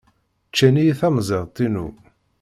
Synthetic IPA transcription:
t͡ʃːænijθæmzˤeʁt̪ˤːinṵ

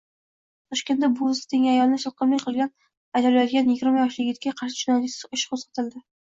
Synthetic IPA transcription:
t̪ʰɒʃkʲend̪abʊɪst̪ɪŋʲajɒlˠnɪʃɨlˠqɨmlɪjqʰɨlˠɡʲan | ajd̪alaj̪ɡʲanjɪɡʲɪɾmajɒʃlɪɡʲɪt̪̚ʲkʲaqʰɑɾʃɪ̥ʒʊnɑɪsʊʃqʰozqɑ̥t̪ʰɪld̪ɪ

